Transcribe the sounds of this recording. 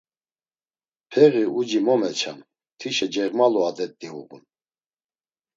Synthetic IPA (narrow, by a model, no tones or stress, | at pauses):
pʰɛʁiud͡ʒimɔmɛt͡ʃʰa̰n | t̪ʰiʃɛd͡ʒɛʁmalɔad̪ɛt̪ːiuɣṵn